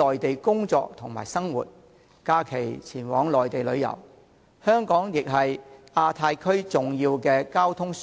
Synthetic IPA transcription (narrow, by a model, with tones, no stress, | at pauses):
ɔː˨jt̪e˨jkʊ˥ŋt͡sɔ̰ː˧k̚t̪ʰʊ˨˩ŋma̰ː˨˩jsɐ˥ŋwṵː˨˩t̚ | kaː˧˥kʰe˨˩jt͡sʰiː˨˩nwɔː˨˥ŋlɔː˨jt̪e˨jlɵ˨˧ɥjɐ̰˨˩w | hœː˥ŋkɔː˨˥ŋjɪ˨k̚ɦɐ˨jaː˧t̪ʰaː˧jkʰɵ˥ɥt͡sʊ˨ŋjiː˧wkɛː˧kaː˥wt̪ʰʊ˥ŋs